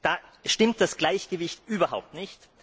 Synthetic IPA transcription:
d̥aːʃtɪmt̚d̥asɡ̥laɪçɡ̥əvɪçtʔyːbɐhaʊp̚tnɪçt

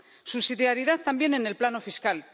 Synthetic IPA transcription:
susiðjaɾiðaðt̪ambje̞ne̞ne̞lplano̞fiskal

